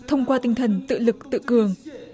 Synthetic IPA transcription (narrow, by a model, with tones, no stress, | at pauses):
t̪ʰə˧wŋ͡mkwaː˧t̪ï˧˩ŋ̟t̪ʰə˨˩nt̪ɨ̰˧˨lɨ˨˩k̚t̪ɨ̰˧˨kɨ˨˩əŋ